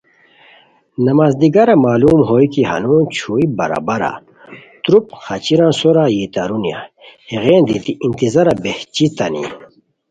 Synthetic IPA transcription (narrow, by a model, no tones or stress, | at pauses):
nɐmaːzd̪iɡaɾamaːluːmɦoːjkihɐ̰noːnt͡ɕʰuibɐ̰ɾa̰bɐɾa̰ | t̪ɾupxɐt͡ɕiɾãːnsoɾajit̪aɾunja̰heɣeːnd̪it̪iʔint̪izaɾabeht͡ɕit̪ɐnḭ